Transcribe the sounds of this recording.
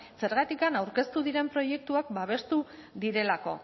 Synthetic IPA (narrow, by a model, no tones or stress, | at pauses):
se̞ɾɣ̞at̪ikanawɾke̞st̪uðiɾe̞mpɾo̞je̞k̚t̪uakbaβ̞e̞st̪u | ðiɾe̞lako̞̰